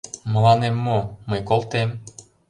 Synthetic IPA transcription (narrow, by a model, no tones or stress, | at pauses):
mə̆lɑnemːomɤjkolˠt̪em